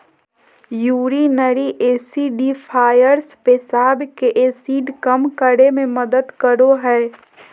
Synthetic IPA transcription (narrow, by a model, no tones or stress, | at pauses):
juːɾinəɾiʔeːsiɖipʰaːjəɾspesaːbkeʔeːsiːɖkəmkəɾemẽməd̪əd̪kəɾoɦɛː